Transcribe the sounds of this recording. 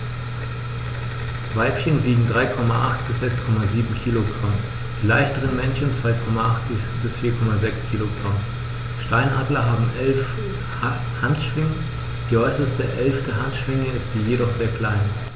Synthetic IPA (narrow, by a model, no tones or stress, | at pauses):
vaɪpçənbiːɡŋ̩dʁaɪkʰɔmaʔaχtb̥ɪsz̥ɛkskʰɔmaziːbm̩kʰiːloɡʁam | d̥iːla̰ɪçtəʁənmɛnçən̩t͡sv̥aɪkʰɔmaʔaχt̚ | b̥ɪsfiːɐkʰɔmazɛkskʰiːloɡʁam | ʃtaɪnʔaːdlɐɦaːbm̩ʔɛlf | hantʃv̥ɪŋə | d̥iːʔɔʏsɐstəʔɛlftəɦantʃv̥ɪŋəɪstz̥iːjedɔχz̥eːɐkʰl̥aɪn